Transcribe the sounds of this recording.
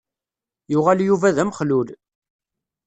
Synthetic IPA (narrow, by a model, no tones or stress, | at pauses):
jʊʁæljuvæðæmχlul